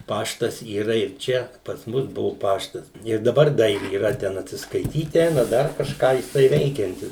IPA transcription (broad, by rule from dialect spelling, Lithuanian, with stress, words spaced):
ˈpɑːʃtɐs iːˈrɐ ɪr ˈt͡ʃʲɛ pɐs ˈmʊs ˈbʊʋʊ ˈpɑːʃtɐs ɪr dɐˈbɐr dɐ iːˈrɐ ˈtʲɛn ɐtʲsʲɪskɐɪˈtʲiːt ˈɛɪnɐ ˈdɐr kɐʃˈkɑː jɪˈsɐɪ ˈʋʲɛɪkʲɛnʲtʲɪs